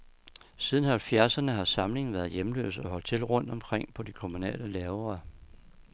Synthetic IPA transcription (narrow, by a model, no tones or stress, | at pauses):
siːð̞ˠn̩hælfjæɐsɐnəɦɑ̈sɑ̈mle̝ŋn̩ʋæːɐðˠjemlø̰ːsɒ̽ɦɒ̽l̰d̥̚t͡sʰe̝lʁɔ̽n̰d̥ɒ̽mkʰʁeŋ̰pʰɒ̽d̥ikʰo̝munɛ̰ːləlɛːʊɐ